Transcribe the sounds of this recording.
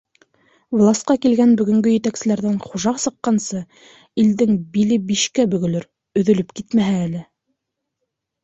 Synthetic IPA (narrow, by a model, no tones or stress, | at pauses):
vlˠɑst̪qɑkilɡænbɵ̆ɡɵ̆ŋɡɵjɘ̆t̪æksɘ̆læɾðæɴχuʒɑqsɤ̆qːɑnsɤ | ild̪ɘŋbilɘbiʃkæbɵ̆ɡɵ̆lɵɾ | ɵ̆ðɵ̆lɵpkit̪mæɦæːlɘ